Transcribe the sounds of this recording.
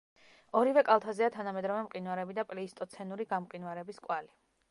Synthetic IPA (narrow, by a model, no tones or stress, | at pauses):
ɔɾivɛkʼalˠt̪ʰazɛat̪ʰanamɛd̪ɾɔvɛmqʼinwaɾɛbid̪apʼliːst̪ʼɔt̪sʰɛnuɾiɡamqʼinwaɾɛbiskʼwali